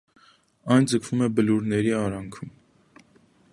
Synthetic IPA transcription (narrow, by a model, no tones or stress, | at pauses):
ɑjnd͡zəkʰv̥umɛbəluɾnɛɾiɑɾɑŋkʰum